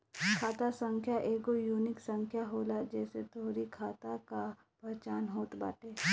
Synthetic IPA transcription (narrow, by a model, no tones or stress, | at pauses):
kʰaːt̪asə̃ŋkʰjaʔeːɡojuːnɪksə̃ŋkʰjaɦoːlad͡ʒɛːset̪ʰoːɾikʰaːt̪aka | pəɾt͡ʃaːnɦoːt̪ba̰ːʈeː